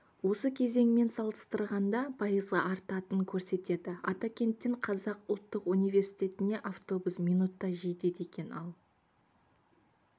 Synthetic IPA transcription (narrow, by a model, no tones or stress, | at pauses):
wo̞səkʲʰe̞ze̞ŋme̞nsɑlˠəst̪əɾʁɑnd̪ɑpʰɑjəzʁɑʔɑɾt̪ɑt̪əŋkʲʰɵɾse̞t̪e̞d̪ɪɑt̪akʲe̞nt̪ːɪɴqʰɑzɑqʊlˠt̪ːəqunijve̞ɾsijt̪e̞t̪ɪne̞ʔaft̪o̞busmijnut̪ːɑʒijt̪e̞d̪e̞kʲe̞nɑlˠ